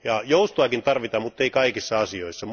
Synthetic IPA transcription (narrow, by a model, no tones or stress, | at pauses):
jɑjoust̪oɑkint̪ɑrʋit̪ɑmmut̪ːeikɑikisːɑɑsioisːɑm